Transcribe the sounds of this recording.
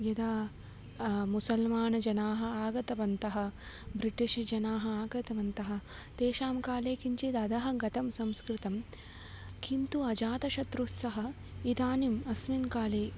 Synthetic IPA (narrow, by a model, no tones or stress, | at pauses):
jɐd̪aː | musɐlmaːnɐd͡ʒɐnaːɦɐ̆aːɡɐt̪ɐʋɐnt̪ɐɦɐ̆bɾiʈiʃɐd͡ʒɐnaːɦɐ̆aːɡɐt̪ɐʋɐnt̪ɐɦɐ̆t̪eːʃaːmkaːleːkiɲt͡ʃed̪ɐd̪ɐɦɐɡɐt̪ɐmsɐmskɾɪt̪ɐm | kint̪uɐd͡ʒaːt̪ɐʃɐt̪ɾut̪sɐɦɐ̆ | id̪aːnimɐsminkaːleː